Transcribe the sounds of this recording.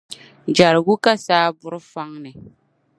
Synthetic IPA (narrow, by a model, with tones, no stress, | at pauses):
d͡ʒa˨ɾɪ˨ɡu˦ka˦saː˦bʊ˦ɾɨ˦fa˦ŋnɨ˨